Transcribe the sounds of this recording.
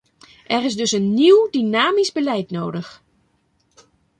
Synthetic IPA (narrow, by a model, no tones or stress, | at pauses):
ʔɛrɪzdɵsənːiwdinaːmizbəlɛjtnoːdəx